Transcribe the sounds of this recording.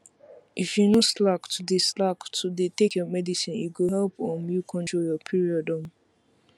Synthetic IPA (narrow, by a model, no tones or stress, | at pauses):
ʔifjunoslaktʰudeslaktʰudetekjɔmɛdisĩnḭɡoɦɛlpɔ̃mjukʰɔ̃ntɹoljɔpʰiɹiɔdɔ̃n